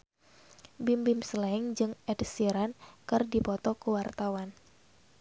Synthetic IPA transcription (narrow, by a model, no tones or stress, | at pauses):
bimbɪmsəlaŋd͡ʒɨŋɛdsiɾankɨrdipɔt̪ɔkəwart̪awan